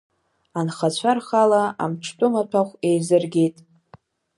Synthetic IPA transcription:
anχat͡ɕʷʰarχalaa̰mʈ͡ʂʰtʷʼʊmatʷʰaχʷe̞jzɨrɡʲejtʼ

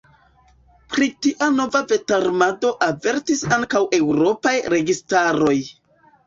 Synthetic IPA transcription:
pɾitiʔano̞vave̞taɾmado̞ʔave̞ɾtisaŋkawʔe̞wɾo̞pajɾe̞ɡistaɾo̞j

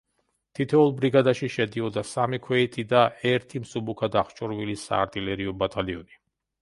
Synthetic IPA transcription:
t̪ʰit̪ʰɛulˠbɾiɡad̪aʃiʃɛd̪iɔd̪asamikʰwɛit̪ʰid̪aɛɾt̪ʰimsubukʰad̪aχt͡ʃʼɔɾvilisa̰ːɾt̪ʼilɛɾiɔbat̪ʰaliɔni

